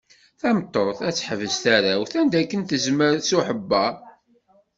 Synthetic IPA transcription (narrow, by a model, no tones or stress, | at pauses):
θæmt̪ˤːɔɾˤθæt͡sːħəvəzθæɾæwθænd̪ækːənθəzməɾsuħəbːæ